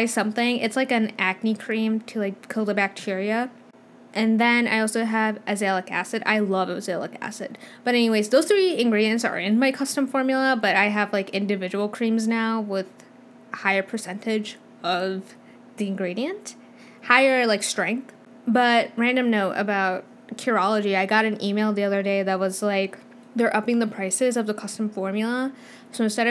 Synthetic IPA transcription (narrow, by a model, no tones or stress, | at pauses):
aɪsʌ̃mθɪ̃ŋɪ̰tslaɪkɨ̃næɡ̚nikʰɹ̥ĩmtʰɨlaɪkʰɪlˠdɨbæk̚tʰɪɹiɨ | ʔɨ̃nðɨ̃na̰ɪɔlˠsoʊəvʔɨzelˠəkæ̰sɨɾa̰ɪlʌvəzɛlˠə̰kæ̰sɨ̰d̚b̥ʌɾɛniweɪzðoʊz̥θɹiɨ̃nɡɹiɾiɨ̃ntsə̰˞ɪ̃nmaɪkʰʌstə̃ɱfɔɹmjl̩ˠəbʌɾaɪɨvlaɪkɪ̃ndɨvɪd͡ʒɨwl̩ˠkʰɹ̥ĩmznaʊwɪð̥ | haɪə˞pʰə˞sɛ̃ntɪd͡ʒ | ʌv | ðiɨ̃nɡɹiɾiɨ̃nt | haɪə˞laɪkstɹ̥ɛ̃ŋk̚θ | b̥ʌt̚ɹæ̃ndɨ̃mnoʊɾɨ̰baʊt̚ | kʰəɹɑlˠəd͡ʒiaɪɡɑɾɨ̃nimeɪlˠðiʌðə˞deɪðɨt̚wʌzlaɪk | ðə˞ʔʌpɪ̃ŋðəpʰɹ̥aɪsɪzʌvðəkʰʌstɱfɔɹmjl̩ˠə | soʊɨ̃nstɛɾʌ